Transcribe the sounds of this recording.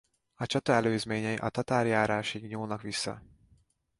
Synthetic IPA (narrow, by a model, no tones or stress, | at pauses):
ɒt͡ʃɒt̪ɒɛløːzmeːɲɛjiʔɒt̪ɒt̪aːrjaːɾaːʃiɡɲuːlnɒkʋisːɒ̰